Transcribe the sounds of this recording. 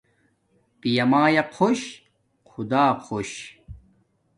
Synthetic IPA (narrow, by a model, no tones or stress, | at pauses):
pijɐmaːjɐqʰoɕ | qʰud̪aːqʰoɕ